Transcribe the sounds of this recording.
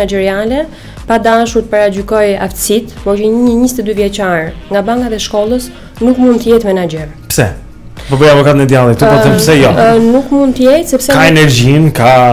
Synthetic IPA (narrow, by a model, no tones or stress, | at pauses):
ad͡ʒɛɾialɛ | pad̪aʃuɾt̪ə̥paɾad͡ʒykɔjaft̪ə̥sit̪vɔt͡ʃəɲəɲist̪ɛd̪yvjɛt͡ʃaɾŋɡabaŋkaðɛʃkɔlˠəs | nukmund̪t̪əjɛt̪mɛnad͡ʒɛɾpsɛ | pɔbɛjavɔkat̪ənɛd̪jalˠit̪upɔθɛmpsɛjɔnukmund̪t̪əjɛt̪sɛpsɛkaɛnɛɾd͡ʑinka